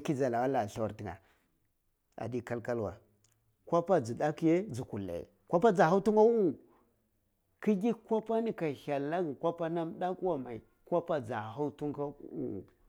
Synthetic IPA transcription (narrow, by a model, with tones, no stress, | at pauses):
ki˦za˨la˨wa˦la˨ɬa˦wa˨ɾti˨ŋa̰˨ | a̰˨di˦ka˦lka˦lwa̰˨ | kʷa˦pa˦d͡zi˨da˦ki˦je˦d͡zu˨ku˨lːa̰˨jḛ˨ | kʷa˦pa˦d͡za˨ha˦u˦tu˦ŋɡa˦wu˦u˨ | ki˦ɡʲi˦kʷa˦pa˦ni˦ka˨ha˨lːa˦ɡi˨kʷa˦pa˦na˦mɗa˦kwa˦ma˨i˨ | kʷa˦pa˦d͡za˨ɦa˦u˦tu˦ŋɡa˦ṵ˦u˨